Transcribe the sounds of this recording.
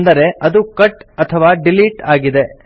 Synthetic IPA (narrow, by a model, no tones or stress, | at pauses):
nd̪ɐɾe̞ʔɐd̪ukɐʈɐt̪ʰɐʋaːɖiliːʈaːɡid̪e̞